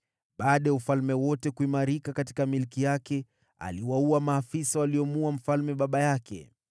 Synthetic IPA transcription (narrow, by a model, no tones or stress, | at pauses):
ɓaːɗajaufalmɛwɔtɛkuimaɾikakati̥kamilkijakɛ | a̰liwauamaːfisawaliɔmuam̩falmɛɓaɓajakɛ̰